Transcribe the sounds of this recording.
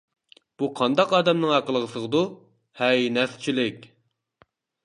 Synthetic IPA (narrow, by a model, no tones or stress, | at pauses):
b̥uqʰɑnd̪ɑqɑːd̪ɛmnɨŋɑqəlˠəʁəsəʁəd̪u | hɛjnɛst͡ʃʰilɪkʲ